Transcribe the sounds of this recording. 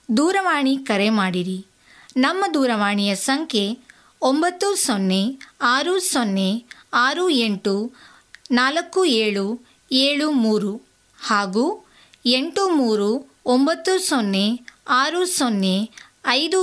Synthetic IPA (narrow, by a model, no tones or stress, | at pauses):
d̪uːɾɐʋaːɳikɐɾemaːɽiɾi | nɐmːɐd̪uːɾɐʋaːɳijɐsɐŋkʰe̞ | ombɐt̪ːusonːeaːɾusonːe̞aːɾue̞ɳʈu | naːlɐkːueːɭu | eːɭumuːɾu | haːɡuː | eɳʈumuːɾu | ombɐt̪ːusonːeaːɾusonːe̞ | ɐjd̪u